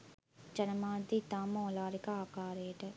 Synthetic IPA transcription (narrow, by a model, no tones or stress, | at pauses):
t͡ʃɐnɐmaːd̪it̪aːmoːlaːɾikɐaːkaːɾeːʈɐ